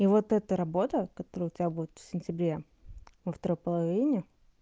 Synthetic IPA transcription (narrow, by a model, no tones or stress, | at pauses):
ivo̞t̪ɛt̪əɾɐbo̞t̪əkɐt̪o̞ɾəjəʊtʲɪbʲabudʲɪt̪fsʲɪnʲtʲɪbɾʲe | vəft̪ɐɾo̞jpəlˠɐvʲinʲɪ